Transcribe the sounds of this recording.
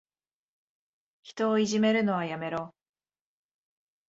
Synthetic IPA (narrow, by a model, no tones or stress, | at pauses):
çi̥t̪o̞ːiʑime̞ɾɯ̟no̞β̞ajame̞ɾo̞ː